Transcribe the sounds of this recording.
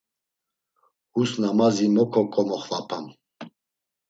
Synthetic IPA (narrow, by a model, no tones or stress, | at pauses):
husnamazimɔkʰɔkʼɔmɔχvapʰam